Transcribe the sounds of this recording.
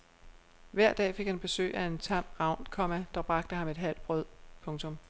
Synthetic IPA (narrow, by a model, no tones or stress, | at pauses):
ʋæɐ̰d̥ɛ̰ːfe̝ɡ̥hænb̥e̝sø̰ːɪʔæe̝nt͡sʰɑ̈m̰ʁɑ̈ʊ̰nkʰɒ̽mæd̥ɑb̥ʁɑ̈ɡ̥d̥əhɑ̈me̝d̥ɦæl̰b̥ʁœð̰ˠpʰɔ̽ŋt͡sʰɔ̽m